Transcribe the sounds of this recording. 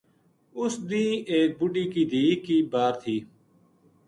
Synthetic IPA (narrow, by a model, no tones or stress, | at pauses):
ʊsd̪ĩːeːk̚bʊɖiːkiːd̪iːkiːbaːɾt̪ʰiː